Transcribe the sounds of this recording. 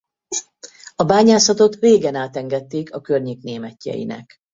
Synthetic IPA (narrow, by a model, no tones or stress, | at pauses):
ɒbaːɲaːsɒt̪o̞t̪reːɡɛnaːt̪ɛŋɡɛt̪ːeːkɒkørɲeːkneːmɛcːɛ̰jḭnɛ̰k